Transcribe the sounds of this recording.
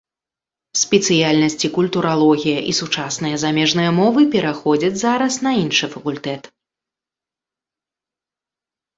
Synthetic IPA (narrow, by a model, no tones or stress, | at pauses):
sʲpʲɛt̪sɨjalʲnɐsʲt͡sʲikulʲt̪uɾʔalˠɔɣʲijɐʔisut͡ʂasnɨjɐzamʲɛʐnɨjɐmɔvɨpʲɛɾaxɔd͡zʲɐd͡zʲzaɾɐsnɐinʂɨfɐkulʲt̪ɛt̪